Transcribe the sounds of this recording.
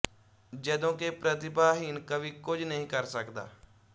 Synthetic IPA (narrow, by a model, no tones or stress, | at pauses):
d͡ʒɛːd̪õːkepɾət̪̬ɪbaːɦinkəbʱiːkʊd͡ʒnəɦĩkəɾsəkd̪a̰ː